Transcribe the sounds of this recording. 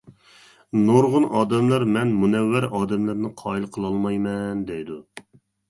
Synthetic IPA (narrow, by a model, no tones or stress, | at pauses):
noɾʁʊnɑːd̪ɛmlˠɑɾmɛnmunɛwːæɾɑːd̪ɛmlæɾnɪqʰɑːilˠqʰəlˠɑlˠmɑjmɛnd̪ɛjd̪u